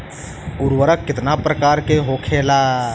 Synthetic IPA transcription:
ʊɾwəɾəkkːɪt̪napɾəkaːɾkeɦoːkʰeːlaː

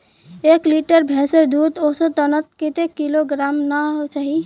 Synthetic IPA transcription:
ekliʈəɾbʱeseɾd̪ud̪osə̃t̪ənət̪kit̪ekːiloɡɾamnat͡ʃaɦi

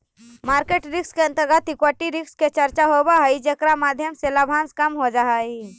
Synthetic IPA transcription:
maːɾkeːʈɾɪkskeə̃nt̪əɡət̪ikwaʈiɾɪksket͡ʃəɾt͡ʃaɦobaɦəid͡ʒekɾamaːd̪ʱjəmselabʱãːnskəmɦod͡ʒaɦai

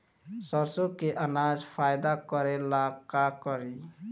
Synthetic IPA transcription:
sɔɾsokeʔənaːd͡ʒpʰaːjd̪akəɾelakakəɾi

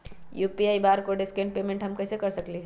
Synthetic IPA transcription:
juːpiaːibaːɾkoɖɪskẽɳʈ̚peːmẽɳʈɦɐmkɐsekɐɾsɐkliɦ

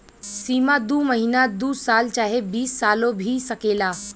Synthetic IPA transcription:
siːmad̪uːməɦinad̪uːsaːlt͡ʃaːɦebiːsːaːlõbʱisɐkeːlaː

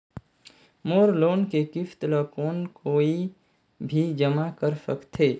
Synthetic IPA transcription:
moːɾloːnkekɪft̪ləkoːnkoːii | bʱid͡ʒəmakəɾsəkt̪ʰeː

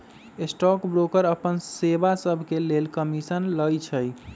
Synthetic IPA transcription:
esʈɔkbɾokəɾəpənsebasəbʱkelelkəmisənləjt͡ʃʰəj

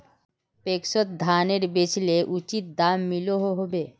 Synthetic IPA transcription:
pekʃot̪̚d̪ʱaneɾbet͡ɕleʔut͡ɕit̪̚d̪amːiloɦoɦobe

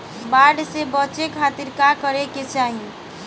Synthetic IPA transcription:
baɖsebət͡ʃekʰat̪iɾkakəɾeket͡ʃaɦi

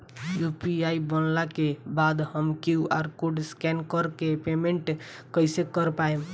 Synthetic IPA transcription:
jupiaibənlakebad̪həmkiaɾkoɖskɛnkəɾkepemeɳʈkəjsekəɾpaem

